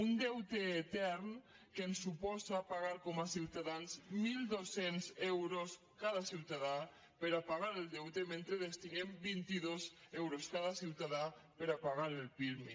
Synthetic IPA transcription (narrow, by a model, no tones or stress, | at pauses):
und̪ewt̪eːt̪ɛɾn | kensupɔsapaɣ̞aɾkomasiwt̪aðanzmild̪osensewɾos | kað̞asiwt̪aða | peɾapaɣaɾeld̪ewt̪emẽnt̪ɾeðest̪inembint̪iðosewɾoskaðasiwt̪aðapeɾapaɣaɾelpiɾmi